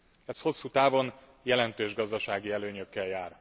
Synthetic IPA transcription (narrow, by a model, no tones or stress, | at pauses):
ɛsho̞sːut̪aːvo̞n | jɛlɛnt̪øːʒɡɒzd̪ɒʃaːɡiɛløːɲøkːɛljaːr